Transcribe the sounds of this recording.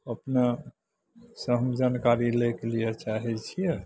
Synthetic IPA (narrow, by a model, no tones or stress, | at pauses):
əpne | səɦəmd͡ʒankaɾilekelijet͡ʃaɦɛt͡ʃʰijɛ